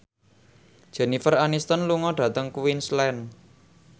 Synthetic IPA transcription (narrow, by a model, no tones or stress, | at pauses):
d̥ʒ̥ɛ̤nifəranist̪ənluŋɔɖ̥ä̤t̪əŋkuwinslɛn